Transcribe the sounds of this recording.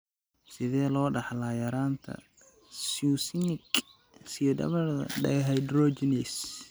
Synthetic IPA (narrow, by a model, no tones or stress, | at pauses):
sɪðɛːlɔːɖɑħlaːjɐɾaːnt̪ʰɐ̰ | susɪnɪk | sijɔd̪ɐ̰βɐrðɐ̰ɖɛjɦɐjd̪ɾɔt͡ʃɪnɛs